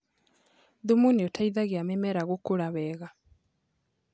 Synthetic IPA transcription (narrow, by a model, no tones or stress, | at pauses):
ðumuniotʰaiðaɣeamɛmɛɾaɣokoɾaβɛɣa